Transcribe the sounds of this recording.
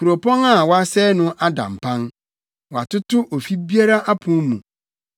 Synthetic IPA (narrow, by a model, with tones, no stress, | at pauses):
ku˨ɾo˨pʰɔ̃˦ŋa˦˨wɔ˦a˦sɛː˦nʊ̃˦ʔa˦dã̰˨m̩˨pʰã˦n | wa˨tʊ˦tʊ˦ʔo˨fi˦bi˦a˦ɾa˦ʔa˦pʰʊ̃˦mṵ̃˨